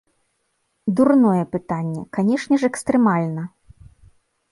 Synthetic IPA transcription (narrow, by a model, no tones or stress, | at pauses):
d̪urnɔjɛpɨt̪anʲːɛ̰kanʲɛʂnʲɛʂɛkst̪ɾɛmalʲnɐ